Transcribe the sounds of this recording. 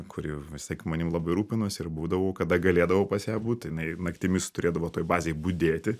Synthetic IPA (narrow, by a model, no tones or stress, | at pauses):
kʰʊɾʲiʋʲɪsʲt̪ʲiɛkmɐnʲɪmlˠɐbɐɪɾuːpʲɪnosɪɾbuːd̪ɐʋɐʊkɐd̪ɐɡɐlʲeːd̪ɐʋɐʊpɐsjæːbuːtt̪jɪnɐɪnɐkt̪ʲɪmʲɪst̪ʊɾʲeːd̪ɐʋoːt̪oːjbɑːzʲeːbʊd̪ʲeːt̪ʲɪ